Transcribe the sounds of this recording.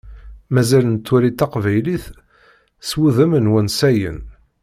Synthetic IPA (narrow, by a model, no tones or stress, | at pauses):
mæzælənt̪ːuɾit̪ːɑqvæjliθ | swuðəmənwænsæjə̰n